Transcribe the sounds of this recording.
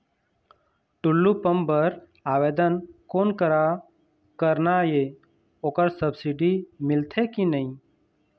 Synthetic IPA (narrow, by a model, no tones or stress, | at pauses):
ʈʊlːupəmbəɾ | aːʋeːd̪ənkoːnkəɾa | kəɾnaje | oːkəɾsəbsiɖimɪlt̪ʰekinəĩ